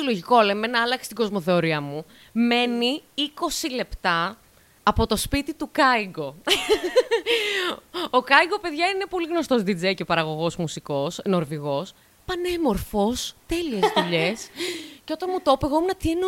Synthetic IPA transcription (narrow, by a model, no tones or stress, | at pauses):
iloʝiko̞lemenɐɐlɐksi̥t̪iɡo̞zmo̞θeoɾiɐmu | me̞niiko̞sile̞pt̪ɐː | po̞t̪o̞spit̪it̪ukɐiɡo̞ | okɐiɡo̞pe̞ðʝɐine̞po̞liɣno̞st̪o̞zd̪id͡zejceopɐɾɐɣo̞ɣo̞szmusiko̞sno̞ɾviɣo̞s | pɐne̞mo̞ɾfo̞st̪e̞lie̞zðuʎesceo̞t̪ɐnmut̪o̞peɣo̞menɐt̪ieno